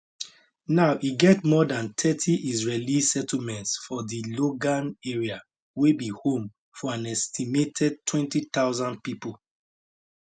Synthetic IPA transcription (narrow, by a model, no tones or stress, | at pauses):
naʊʔiɡɛtmɔdãnt̪ʰɛtʰiʔizɹelisɛtl̩mɛ̃ntsfɔdiloɡãneɹia | webihõm | fɔãnɛstʰimetʰɛd̚tʰwɛ̃ntit̪aʊzãndpipol